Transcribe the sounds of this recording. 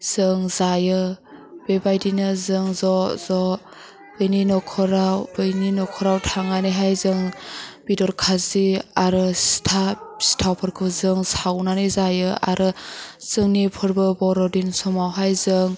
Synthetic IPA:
z̥ɯŋzajɯb̥ebajdinɯzɯŋzɔz̥ɔ | bɯjninɔkʰɔɾawbɯjninɔkʰɔɾawtʰaŋanɯjɦajzɯŋb̥idɔɾkʰaziaɾɯstʰasi̥tʰawpʰɯɾkʰɯzɯŋsawnanɯzajɯa̰ɾɯz̥ɯŋnipʰɯɾbɯbɔɾɔdinsɔmawɦajzɯŋ

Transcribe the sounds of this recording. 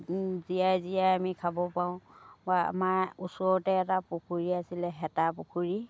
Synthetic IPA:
zijazijajamikʰabɔpaʊ̃baa̰maɹusɔɔtɛːtapukʰuɹiasilɛɦɛtapukʰuɹi

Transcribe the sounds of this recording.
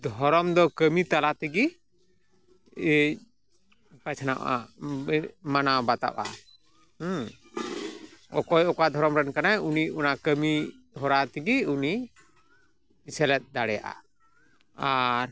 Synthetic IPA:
d̪ʱɔɾɔmd̪ɔkəmit̪alat̪iɡi | pat͡ʃʰana̰ʔa̰ | manabat̪a̰ʔa̰ | h | ɔ̰kɔjɔkad̪ʱɔɾɔmɾɛnkanauniunakəmi | ɦɔɾat̪ɛɡiuni | sɛlɛt̪̚ˀd̪aɽɛja̰ʔa̰ | aɾ

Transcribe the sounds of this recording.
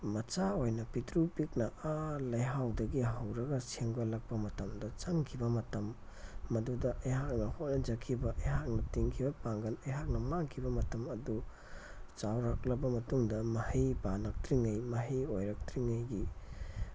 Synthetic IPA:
mɐt͡ʃaojnɐpitɾupik̚nɐalɐjɦawdɐɡiɦɐwɾɐɡɐseŋbɐlɐk̚pɐmɐtɐmdɐt͡ʃaŋkʰibɐmɐtɐmː | ɐdudɐʔejɦak̚nɐhot̚nɐd͡ʒɐkʰibɐʔejɦak̚nɐtiŋkʰibɐpaŋɡɐnejɦak̚nɐmaŋkʰibɐmɐtɐmɐdu | t͡ʃawɾak̚lɐbɐmɐtuŋdɐmɐhijpanɐk̚tɾiŋɐjmɐɦiojɾɐk̚tɾiŋɐjɡi

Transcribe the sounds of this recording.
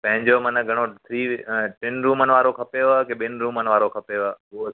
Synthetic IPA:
pɐ̃ɦɪ̃ɲd͡ʑoːmənəɡʱɐɽ̃õt̪ʰɾiːʈɪnɾuːmənʋaːɾokʰɐpeʋakeɓɪnɾuːmənʋaːɾokʰɐpeʋao

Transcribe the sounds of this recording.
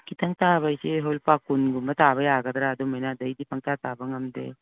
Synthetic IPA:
kit̪ɐŋt̪aːbɐjseɦoːlpakunɡumbɐt̪aːbɐjaːɡɐt̪ɾaːd̪omenaːd̪ɐid̪ipɐŋt̪aːt̪aːbɐŋɐmd̪ḛː

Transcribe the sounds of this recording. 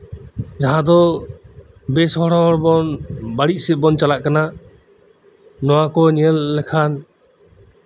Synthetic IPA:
d͡ʒaɦãd̪ɔ | bɛsɔɽɔɾbɔnbaɽiʔ̚sɛbɔnt͡ʃalaʔkana | nɔwakɔɲɛlːɛkʰan

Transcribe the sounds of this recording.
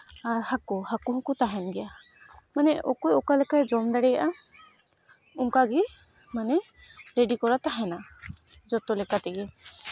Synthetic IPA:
aɾhakɔhakuɦɔ̃kut̪aɦɛnɡɛja | manɛɔkɔjɔkalɛkajd͡ʒɔmd̪aɽɛja̰ʔa | uŋkaɡi | manɛ | ɾeɖikɔɾat̪aɦɛnad͡ʒɔt̪ɔlɛkat̪ɛɡɛ

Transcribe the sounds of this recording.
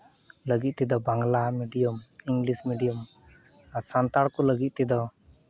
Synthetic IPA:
ləɡit̪̚t̪id̪ɔbaŋɡlamiɖijəmiŋɡlismiɖijəm | asant̪aɽkɔləɡit̪̚t̪id̪ɔ

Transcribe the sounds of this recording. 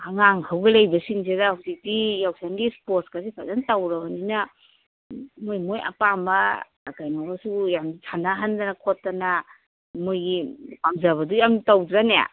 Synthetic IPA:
haŋaŋkʰawɡelejbɐsiŋs̬edahawzik̚dijawsanɡispoɾskas̬ipʰazantawɾabanina | mojmojʔa̰pambaː | kajmawasujamtʰanaɦandanakʰɔtːana | mojɡipamzaβɐdujamtawdɾaneja̰

